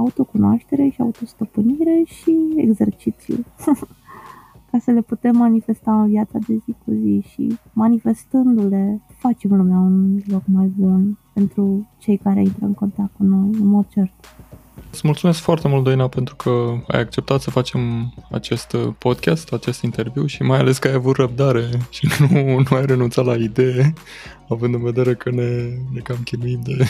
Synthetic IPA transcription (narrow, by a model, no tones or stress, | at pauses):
aut̪o̞kunoa̰ʃt̪e̞ɾe̞ʃia̰ut̪o̞st̪əpɨniɾe̞ʃiḛɡze̞rt͡ʃit̪sjṵ | kasəle̞put̪e̞mːanife̞st̪aɨnviat̪sad̪e̞zikuziʃḭmanife̞st̪ɨnd̪ule̞ | fat͡ʃe̞mlumaunlo̞kmajbunpe̞nt̪ɾut͡ʃe̞jkaɾe̞̰int̪ɾəɨŋko̞nt̪ak̚t̪kuno̞jɨnmod̪̚t͡ʃert̪ | smult̪sumeskfoart̪e̞mult̪d̪ojneape̞nt̪ɾukʰəa̰jak̚t͡ʃe̞p̚t̪at̪səfat͡ʃe̞ma̰t͡ʃe̞st̪po̞d̪kʲast̪at͡ʃe̞st̪int̪e̞rvjiwʃimajale̞skəajavut̪rəb̚d̪aɾe̞ʃinunuajɾe̞nũnt̪satlaid̪e̞je | avɨnd̪ɨnved̪e̞ɾe̞kʰəne̞nekamkʲinuit̪d̪e